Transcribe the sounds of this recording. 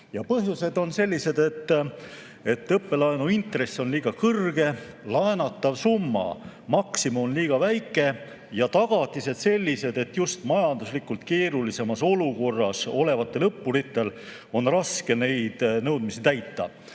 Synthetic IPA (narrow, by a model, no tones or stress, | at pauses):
jɑpɤɦjuse̞d̪o̞nse̞lʲːise̞d̪e̞t̪ːˑ | e̞t̪ːˑɤpːe̞lɑenuint̪re̞sːo̞nliːɡ̥ɑkɤrɡ̥e̞ | lɑenɑt̪ːˑɑvsumːɑ̰ | mɑksimuonliːɡ̥ɑvæjkːˑe̞ | jɑt̪ɑɡ̥ɑt̪ːˑise̞d̪̥se̞lʲːise̞d̪e̞t̪just̪mɑjɑnd̪̥uslikːult̪ke̞ːɾulise̞mɑso̞luko̞rːɑso̞le̞vɑt̪ːˑe̞lɤpːuɾit̪ːˑe̞l | o̞nrɑske̞ne̞jd̪̥nɤwd̪̥̚misit̪æjt̪ːɑ̰